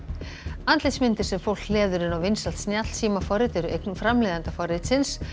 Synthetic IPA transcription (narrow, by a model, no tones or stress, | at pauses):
ant̪lɪjt̪smɪnt̪ɪɾ̥sɛmfowl̥klɛːðʏɾɪnawvɪnsalt̪snjat̪l̥siːmafɔɾɪt̪ɛɾʏejknʏmfɾamlɛːðant̪afɔɾɪt̪sɪns